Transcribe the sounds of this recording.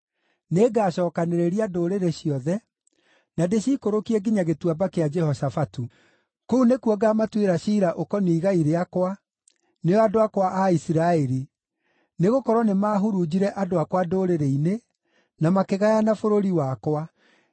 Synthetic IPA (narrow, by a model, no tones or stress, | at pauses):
neːɡaːɕɔːkaneɾeɾiadoːɾeɾeɕiɔðɛ | nadeɕiːkoɾokiɛɡiɲaɣetwabakead͡ʒɛhɔsafatu | kounekuɔɡamatweɾaɕiːɾaʔokɔniːɣaiɾeakwa | neɔadoakwaʔaisiɾaɛɾi | neɣokɔɾɔnemaɦuɾud͡ʑiɾɛʔadoakwadoːɾeɾeine | namakeɣajanafoɾoɾiwakwa